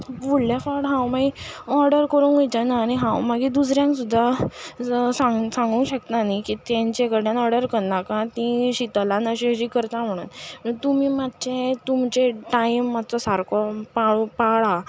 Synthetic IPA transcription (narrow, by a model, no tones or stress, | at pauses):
buɽljafaɾɽɦãwmaɡiɔɾɖəɾkəɾuːnəjt͡ɕ̪anaːniɦãwmaɡid̪us̬ɾjãŋksud̪ʱːa | saŋsãŋɡũːɕəkt̪nanikit̪jãɲt͡ɕekəɽjanɔɾɖəɾkəɽnakãt̪ĩɕit̪alanəɕiɕikəɾt̪am̤əɽ̃ṵːnət̪umiːmat̪t͡ɕet̪umt͡ɕeʈajimːat̪t͡sɔsaɾkɔpaɭupaɭa